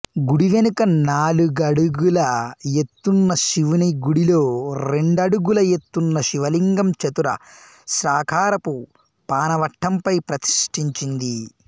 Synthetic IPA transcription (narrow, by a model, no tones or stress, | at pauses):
ɡuɽiʋe̞nukɐnaːluɡɐɽuɡulɐjet̪ːunːɐʃiʋuniɡuɽilo̞ːɾe̞ɳɖɐɽuɡulɐje̞t̪ːunːɐʃiʋɐliŋɡɐmt͡ʃɐt̪uɾɐ̰ | ʃɾaːkʰaːɾɐpu | paːnɐʋɐʈʰːɐmpɐjpɾɐt̪i̥ʂʈiɲt͡ʃind̪i